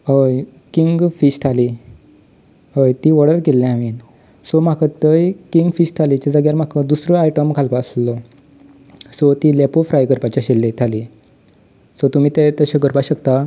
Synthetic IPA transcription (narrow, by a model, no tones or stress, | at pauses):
ɦəj | kiŋɡfiɕt̪ʰali | ojt̪iʋəɽəɾkelːɛ̃aʋiːn | sɔm̤akət̪əjkiŋɡfiɕt̪ʰalit͡ɕad͡zəɡjaɾm̤akʰəd̪usɾəajʈəmkʰalpaslɔ | sɔt̪ilepofɾajɡəɾpat͡ɕaɕelːet̪ʰali | sɔt̪um̤iːt̪et̪əɕãɡəɾpaɕəkt̪a